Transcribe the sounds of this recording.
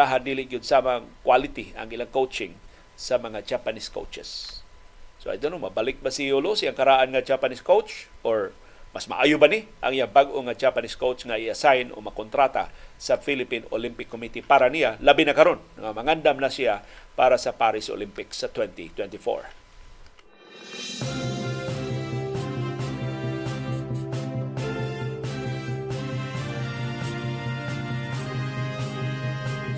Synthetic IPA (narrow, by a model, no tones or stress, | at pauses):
aɦad̪iːlɪʔɡʊd̪̚saːmaŋkwalɪt̪iɐ̰ŋɪlaŋkowt͡ʃɪŋ | sɐmɐŋad͡ʒapanisko̰wt͡ʃɛ̰sː | oʔa̰d̪anomɐbalɪk̚basiolosiaŋkɐɾaʔanŋɐd͡ʒapaniskowt͡ʃʔoɹ | masma̰ʔaːjʊbanɪʔɐ̰ŋijaŋbaɡʔoŋad͡ʒapaniskowt͡ʃŋaʔɪasajno̰mɐkont̪ɾat̪a̰sɐfilɪpinolimpɪkːomit̪ipaːɾanijalɐbinɐkɐɾo̞nːɐŋamɐŋand̪amnɐsɪjapaːɾasɐpaːɾɪsʔo̰limpɪksɐt̪wɛnt̪ḭt̪wɛnt̪ifo̰ɹ